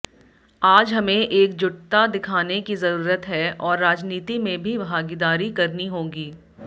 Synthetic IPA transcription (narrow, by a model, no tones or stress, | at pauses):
aːd͡ʒɦɐmẽʔeːk̚d͡ʒʊʈt̪ad̪ɪkʰaːnekizɐɾuːɾət̪ɦɛɔːɾːaːd͡ʒniːt̪imẽbʱibʱaːɡɪd̪aːɾikɐɾniɦõːɡiː